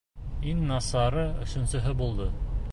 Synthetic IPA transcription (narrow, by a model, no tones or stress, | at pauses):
iŋnɑsɑɾɤɵ̰̆ʃɵ̆nsɵ̆ɦɘbulˠd̪ɤ